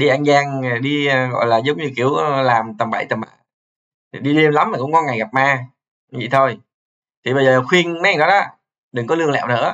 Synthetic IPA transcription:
ɗi˧ʔa˧nzaː˧ŋ˨˩ɗi˧ɣɔ̰˧˨jlaː˨˩zə˨˦wŋ͡mɲɨ˧ki˧˩əwlaː˨˩mt̪ə˨˩mɓa̰˧˩jt̪ə˨˩mʔa˨˩˨ | ɗi˧li˧ənla˨˦maː˨˩kʊ̰˧˥ŋ͡mkɔ˨˧˦nŋa˨˩jɣa˨˩p̚maː˧ | zḭ˧˨t̪ʰo˧j | t̪ʰi˨˩ɓə˧jzəː˨˩˨xwi˧ənma˦˨˩nɗɔ˨˦ɗɔ˨˦ | ɗɨ˨˩ŋkɔ˨˦lɨ˧əŋlɛ̰˧˨wnɨ̰˧˥ə

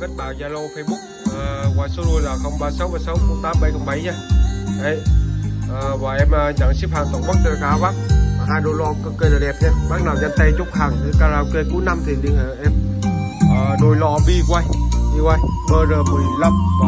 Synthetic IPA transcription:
kə˦˥t̚ɓaː˨˩ɲaː˧˩lo˧˨˧fe˧ɓʊ˦˥k̚əː˨˩kwaː˧˨˩jso˧˦zo˧˩jlaː˨˩xə˧˩wŋ͡mɓaː˧˩sa˨˦wvaː˨˩sə˨˦wkʊ˨˧˦ŋ͡mt̪aː˧˦mɓa˧˩jkɔ˧˩ŋ͡mɓə˨˦jɲaː˧ɗə˨˦jʔəː˨˩vaː˨˩ʔɛ˧məː˨˩˧t͡ɕa˧˩ŋsi˦˥p̚haː˨˩ŋkə˧wŋ͡mɓɔ˦˥t̚t̪əː˧˩kaː˨˦vaː˦˥k̚a˨˩ɦaː˧jɗo˧˨jlɔ̰˧˨kə˧kə˧laː˨˩ɗɛ˨˩p̚ʔɛ˧mɓaː˦˥k̚naː˨˩wza˧˩nt̪a˧jt͡ɕʊ˦˥k͡phaː˨˩ŋi˧˨kaː˧laː˧wke˧ku˨˦jna˧mt̪ʰi˨˩ɗɨ˨˩ə˨˩ʔɛ˧m | ʔəː˨˩no˧˨jlɔ̰˧˨ɓi˧kwa˧jɓi˧kwa˧jɓəː˧zəː˨˩mɨ˨˩jla˧˦m˧

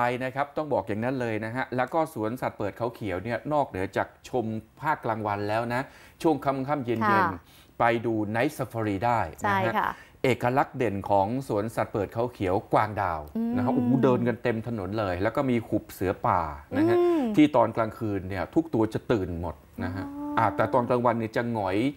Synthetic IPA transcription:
a˧jna˦˥kʰa˦˥p̚t̪ɔ˥˩ŋbɔː˨˩k̚ja˨˩ŋna˦˥nlɤː˧jna˦˥ɦʰa˦˥ʔlɛː˦˥wkɔː˥˩su˩˦ənsa˨˩t̪̚pɤː˨˩t̪̚kʰa˨˩˦wkʰi˩˦əwni˥˩ɐnɔː˥˩k̚nɯ˩˦ɐt͡ɕaː˨˩k̚t͡ɕʰo˧mpʰaː˥˩kːlaː˧ŋwa˧nlɛː˦˥wna˦˥ʔ | t͡ɕʰu˥˩əŋkʰa˧˥˩m˧kʰaː˥˩mje˧nje˧n | pa˧jduː˧na˧˥jsa˧fʰa˧ɾiː˧daː˥˩jt͡ɕna˦˥ɦɦa˦˥ʔeː˨˩kːa˧la˦˥k̚de˨˩nkʰɔː˩˦ŋsu˩˦ənsa˨˩t̪̚pɤː˨˩t̪̚kʰa˨˩˦wkʰi˩˦əwkwaː˧ŋdaː˨˧˩wna˦˥kʰa˦˥ʔuː˨˩˦dɤː˧nka˧nt̪e˧mt̪ʰa˧no˩˦nlɤː˧jlɛː˦˥wkɔː˥˩miː˧kʰu˨˩p̚sɯ˨˩˦ɐpaː˨˩na˦˥a˦˥t̪ʰiː˥˩t̪ɔː˧nklaː˧ŋkʰɯː˧nːi˥˩ɐt̪ʰu˦˥k̚t̪u˧ɐt͡ɕa˨˩t̪ɯː˨˩nmo˨˩t̪̚na˦˥kʰa˦˥ʔʔa˧˩t̪ɛː˨˩t̪ɔː˧nklaː˧ŋwa˧nːi˥˩ət͡ɕa˨˩ŋɔ˩˦j

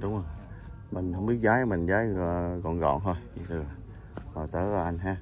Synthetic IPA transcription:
ɗʊ˨˦ŋ͡mʔo˨˧˩j | mï˨˩ŋ̟hə˧wŋ͡mɓi˦˥ək̚zaː˨˦jmï˨˩ŋ̟zaː˨˦jɣɔ̰˧˨nɣɔ̰˧˨nt̪ʰo˧jḭ˨˩t̪ʰɨ˨˩˨ | hɔ˨˩t̪əː˨˦laː˨˩ʔa˧ŋɦaː˧

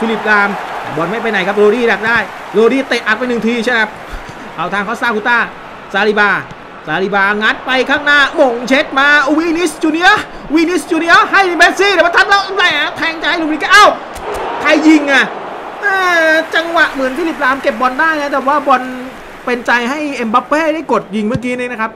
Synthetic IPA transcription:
fʰiː˦˧˩li˨˦˩p̚laː˧mɛ̰˨˩bɔ˧nma˥˩jp̬a˧jna˨˦jkʰa˦˥p̚ɾoː˧ɾiː˥˩da˨˩k̚daː˥˩j | ɾoː˧ɾiː˥˩t̪e˨˩t̪ʔa˨˩t̪̚pa˧jnɯ˨˩ŋt̪ʰiː˧t͡ɕʰa˥˩kʰa˦˥p̚ | ʔa˧˩wt̪ʰaː˧kʰɔː˧˥˩saː˥˩kʰu˧˦t̪aː˥˩ | saː˨˧ɾiː˧˩baː˧ | saː˨˧li˧˩baː˧ŋa˦˥t̪̚pa˧jkʰaː˥˩ŋnaː˥˩mo˨˩ŋt͡ɕʰe˦˥t̪̚maː˧wi˧˥ni˦˥st͡ɕuː˧ni˧˥ə˥˨ | wi˦˧˥ni˦˥˩st͡ɕuː˧ni˧˥˧ɦa˥˩jbɛː˦˥t̪̚siː˥˩nː˧˩wa˧˩t̪ʰa˧˥˩laː˦˥˩ʔla˨˧˩ja˨˦˥t̪ʰɛː˧ŋt͡ɕa˧ha˥˩jlo˧mɾiː˧˩ka˧˩ʔa˧˥˩w | kʰa˧jːi˨˧˩ŋʔa˨˩ | ʔɤː˧˩t͡ɕa˧ŋwa˨˩ʔmɯ˨˩˦ənfi˦˥˩li˨˦˩p̚laː˧mke˨˩p̚bɔ˧ndaː˥˩jna˦˥˩t̪ɛ˨˩waː˥˩bɔ˧n | pe˧nt͡ɕa˧jɦa˥˩jʔe˧mba˦˥p̚weː˥˩da˥˩jko˨˩t̪̚ji˨˩ŋmɯ˥˩əkiː˦˥niː˦˥˩na˦˥kʰa˦˥p̚

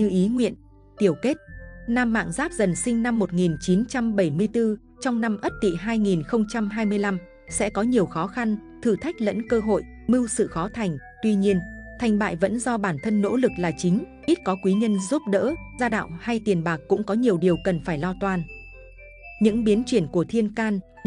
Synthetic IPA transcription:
ɲɨ˧ʔi˨˦ŋwḭ˧˨ən | t̪i˧˩əwke˦˥t̚naː˧mːa̰ː˧˨ŋzaː˦˥p̚zə˨˩nsï˧ŋ̟na˧mːo˨˩t̚ŋi˨˩nt͡ɕi˨˦nt͡ɕa˧mɓə˧˩jmɨ˧əjt̪ɨ˧ | t͡ɕɔ˧wŋ͡mna˧mʔə˦˥t̚t̪ḭ˧˨ɦaː˧jŋi˨˩nxə˧wŋ͡mt͡ɕa˧mɦaː˧jmɨ˧əjla˧m | sɛ̰˧˥kɔ˨˦ɲi˨˩əwxɔ˨˦xa˧nt̪ʰɨ˧˩t̪ʰa˦˥jk̟̚lə̰˧˥nkəː˧ɦo̰˧˨j | mɨ˧wsɨ̰˧˨xɔ˨˦t̪ʰa˨˩jŋ̟ | t̪wi˧ɲi˧ənt̪ʰa˨˩jŋ̟ɓa̰ː˧˨jvə̰˧˥nzɔ˧ɓaː˧˩nt̪ʰə˧nːo̰˧˥lɨ˨˩k̚laː˨˩t͡ɕï˨˦ŋ̟ | ʔi˦˥t̚kɔ˨˦kwi˨˦ɲə˧nzu˦˥p̚ɗə̰ː˧˥zaː˧ɗa̰ː˧˨wŋ͡mha˧jt̪i˨˩ənɓaː˨˩kːʊ̰˧˥ŋ͡mkɔ˨˦ɲi˨˩əwɗi˨˩əwkə˨˩nfaː˧˩jlɔ˧t̪waː˨˩n | ɲɨ̰˧˥ŋɓi˨˦ənt͡ɕwi˧˩ənku˧˩ət̪ʰi˧ənkaː˧n

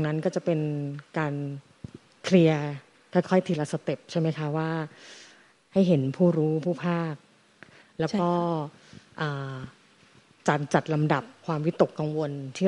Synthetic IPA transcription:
ŋna˦˥nkɔː˥˩t͡ɕa˨˩pe˧nkaː˧n | kʰli˧ɐ | kʰɔː˥˩jkʰɔ˥˩jt̪ʰiː˧˩la˦˧˥sa˧t̪e˨˩p̚t͡ɕʰa˥˩jma˦˥jkʰa˦˥waː˥˩ | ha˥˩jɦe˩˦npʰuː˥˩ɾuː˦˥pʰuː˥˩pʰaː˥˩k̚ | lɛː˦˥wkɔː˥˩ | ʔaː˨˩ | t͡ɕa˨˩t͡ɕa˨˩t̪̚la˧mda˨˩p̚kʰwaː˧mwi˦˥t̪o˨˩kːa˧ŋwo˧nt̪ʰiː˥˩

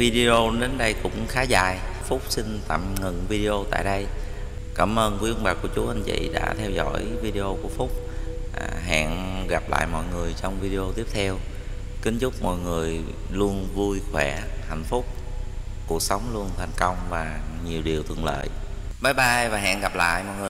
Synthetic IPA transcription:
vi˧ɗi˧o˧ɗe˨˦nɗə˧jkʊ̰˧˥ŋ͡mxaː˨˦zaː˨˩j | fʊ˦˥k͡p̚si˧n̟t̪a̰ː˧˩mŋɨ˧˨ŋvi˧ɗi˧ʔo˧t̪a̰ː˧˨jɗə˧j | kaː˧˩mʔəː˧nkzɨ˧˦ŋɓaː˨˩ku˧˩ət͡ɕu˨˦ʔa˧nvḭ˧˨ɗa̰ː˧˥t̪ʰɛ˧wzɔ̰˧˥jvi˧ɗi˧ʔo˧ku˧˩əfʊ˦˥k͡p̚ | ɦa̰ː˧˨nɣa˨˩p̚la̰ː˧˨jmɔ̰˧˨jŋɨ˨˩əjt͡ɕɔ˧wŋ͡mvi˧ɗe˧ʔo˧t̪i˦˥əp̚t̪ʰɛ˧w | kï˨˦ŋ̟t͡ɕʊ˦˥k͡p̚mɔ̰˧˨jŋɨ˨˩əj | lu˧ənvu˧jxwɛ˧˩ | ha̰˧˩˨jŋ̟fʊ˦˥k͡p̚ | ku˨˩ək̚sə˨˦wŋ͡mlu˧ənt̪ʰa˨˩jŋ̟kə˧wŋ͡mvaː˨˩ɲi˨˩əwɗi˨˩əwt̪ʰwɨ̰˧˨lə̰ː˧˨j | ɓaː˨˦jɓaː˧jvaː˨˩ɦa̰ː˧˨nɣa˨˩p̚la̰ː˧˨jmɔ̰˧˨jŋɨ˨˩

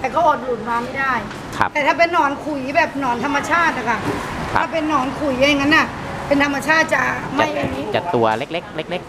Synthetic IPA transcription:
t̪ɛː˨˩kʰa˦˥˩ʔoː˨˩t̪̚luː˨˩t̪̚maː˧ma˥˩jdaː˥˩j | kʰa̰˦˥t̪ɛː˨˩t̪ʰaː˥˩pe˧nːɔː˨˩nkʰu˨˩jbɛː˨˩p̚nɔː˨˩nt̪ʰa˧mːa˧t͡ɕʰaː˥˩t̪̚na˨˩kʰa˧˩tʰa˥˩pe˧nːɔː˨˩nkʰu˨˩jʔa˧jŋːa˦˥nʔa˧˩ | pe˧nt̪ʰa˧mːa˧t͡ɕʰaː˥˩t̪̚t͡ɕa˨˩ma˥˩je˧n˦˥t͡ɕa˨˩t̪ːu˧ɐle˦˥k̚le˦˥k̚le˦˥k̚le˦˥k̚

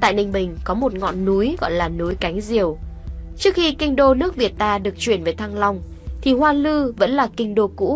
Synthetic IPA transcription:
t̪a̰ː˧˨jnï˧˩ŋ̟ɓï˨˩ŋ̟kɔ˨˦mo˨˩t̚ŋɔ̰˧˨nːu˨˦jɣɔ̰˧˨jlaː˨˩nu˨˦jka˨˦jŋ̟zi˨˩əwt͡ɕɨ˦˥ək̚xi˧kï˧ŋ̟ɗo˧nɨ˦˥ək̚vi˨˩ət̚t̪aː˧ɗɨ˨˩ək̚t͡ɕwi˧˩ənvəː˨˦jt̪ʰa˧ŋla˧wŋ͡m | t̪ʰi˨˩hwaː˧lɨ˧və̰˧˥nlaː˨˩kï˧ŋ̟ɗo˧kṵ˧˥

